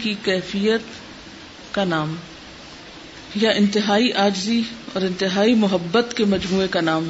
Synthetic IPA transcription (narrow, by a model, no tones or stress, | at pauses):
kikɛːfijət̪ | kanaːm | jaʔɪ̃nt̪ɪɦaːiʔaːd͡ʒziɔːɾɪ̃nt̪ɪɦaːimʊɦəbːət̪kemɐd͡ʒmuːekanaːm